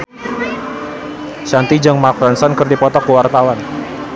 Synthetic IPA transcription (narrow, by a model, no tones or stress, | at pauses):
ʃant̪id͡ʒɨŋmak̚fɛnsɔnkɨrdipɔt̪ɔkːəwart̪awan